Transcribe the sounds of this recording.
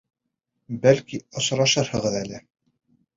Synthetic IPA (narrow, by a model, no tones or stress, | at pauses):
bælkiɤ̆s̆ɾɑʃɤɾhɤ̆ʁɤðælɘ